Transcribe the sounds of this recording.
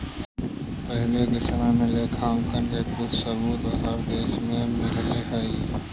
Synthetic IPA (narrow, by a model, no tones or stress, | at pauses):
pəɦleɡɪsnãnelekʰaːmkənɡeːk̚ːʊsəbuːt̪əɦəɾd̪eːsmẽmɪɾleɦai